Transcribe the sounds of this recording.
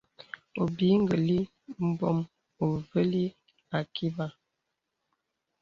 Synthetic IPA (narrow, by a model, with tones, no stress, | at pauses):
o˨bi˨˦ŋ˦ɡə˨li˦ | m̩˦bɔ˦m | o˨və˦li˦ | a˨ki˦ba˦